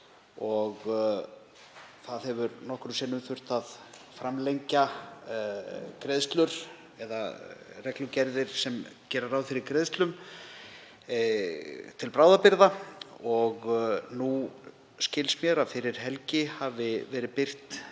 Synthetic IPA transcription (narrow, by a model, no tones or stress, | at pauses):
ɔɣ | θaðhɛvʏɾnɔhkɾʏmsɛnʏmθʏr̥t̪aðfɾamlejɲca | kɾeðst̪lʏɾ̥ | ɛða̰rɛklʏcɛɾðɪɾ̥sɛmcɛːɾaɾaːwfɪɾɪɾkɾeðst̪lʏm | t̪ʰɪlpɾaːwðapɪɾðaɔɣnu | scɪlsmjɛɾaðfɪɾɪɾ̥ɦɛlcɪhavɪvɛːɾɪpɪr̥t̪